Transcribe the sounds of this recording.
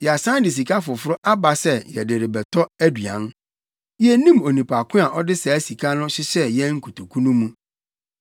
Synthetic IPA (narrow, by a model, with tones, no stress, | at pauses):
jɛ˨a˨sã˦n˦dɪ˨s̬i˨kʰa˦fʊ˨fʊ˦ɾʊ˦ʔa˦ba˦sɛ˦jɛ˨dɪ˨ɾɪ˨bɛ˨tʰɔ˦æ˦dɥã̰˨˦n | jɛ˦nĩ˦mo˨nĩ˨pʰa˨kʰʊ̃˦a˨ʔɔ˦dɪ˦sɛ˨æ˦si˨kʰa˦nʊ̃˦ɕɪ˦sɛ˦jɛ˦ŋ̩˦kʰu˨tʰu˨kʰũ˦nũ˦mũ˦